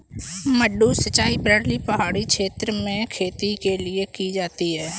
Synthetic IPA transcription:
məɖːusət͡ʃaːipɾəɾlipəɦaːɽikʃeːt̪ɾəmẽkʰeːt̪ikeliekid͡ʒaːt̪iɦɛː

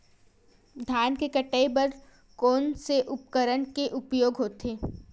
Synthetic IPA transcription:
d̪ʱjaːnkekəʈːəebɐɾ | kɔːnseʔʊpkəɾənkeʔʊpjoːɡɦoːt̪eː

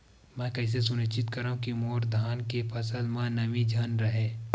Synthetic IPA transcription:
mɛ̃ːkɐɪs̬es̬ʊnət͡ʃɪt̪kɐɾaːɦũkimoːɾd̪ʱaːnkepʰɐsəlmãnɐmid͡ʒʱɐnɾɐɦeː

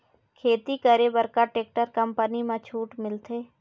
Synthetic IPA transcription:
kʰeːt̪ikəɾebəɾkaʈeːk̚ʈəɾkəmpənimãt͡ʃʰuːʈmɪlt̪ʰeː

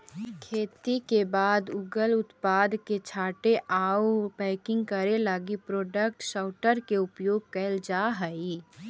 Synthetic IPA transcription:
kʰeːt̪ikebaːd̪ʊɡəlʊt̪paːd̪ket͡ʃʰaːʈeʔaːwpɛːkɪ̃ŋɡkəɾelaɡipɾoːɖək̚ʈʃaʊʈəɾkeʊpjoːɡ̚kɛld͡ʒaɦəi

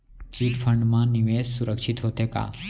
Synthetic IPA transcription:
t͡ʃiʈfʰəɳɖmãniʋessuɾəkʃit̪ɦot̪eka̰

